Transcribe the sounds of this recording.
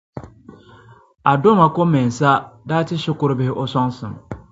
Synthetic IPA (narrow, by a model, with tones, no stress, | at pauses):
a˨dʊ˦ma˨kʊ˦mɛ̃˨n˨sa˦daː˦tʰɪ˦ɕɪ˦kʊ˦ɾɪ˦bɪ˦hɪ˦ʔɔ˦sɔ̃˦nsɪ̰̃˨m